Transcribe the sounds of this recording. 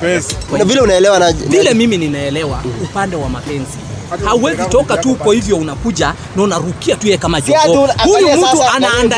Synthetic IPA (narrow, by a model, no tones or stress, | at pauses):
vilɛunaɛlɛwanavilɛmimininaɛlɛwaupandɛwamapɛnzihauwɛzitɔkatukɔhivjɔunakuʄa | naunaɾukiatujɛɛkamaʄɔhujumm̩tuananda